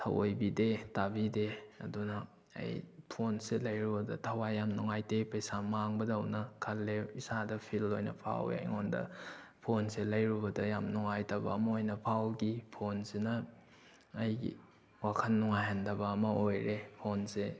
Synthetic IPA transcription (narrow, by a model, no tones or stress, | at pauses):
tʰɐ̰wo̰jbidetabideɐ̰dunɐ̰ː | jpʰonselɐjɾubɐdɐ̰tʰɐwajamnuŋajtepɐjsamaŋbɐdɐwnɐkʰɐlːeisadɐpʰilojnɐ̰pʰa̰wa̰jŋondɐ̰pʰonselɐjɾubɐdɐjamnuŋajtɐbɐ̰ːmɐojnɐpʰawɡipʰonsenɐː | jɡḭ | wakʰɐnːuŋajhandɐbɐːmɐojɾepʰonse